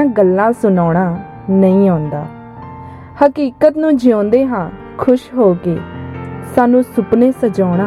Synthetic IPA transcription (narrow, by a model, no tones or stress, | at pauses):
ãːɡəlːãːsʊnɔːɽ̃aː | nəĩːãːnd̪a̰ː | həkiːkət̪nũːd͡ʒɪõːnd̪eːɦãː | kʰʊʃɦoːkeːsaːnũːsʊpnẽːsəd͡ʒɔːɽ̃aː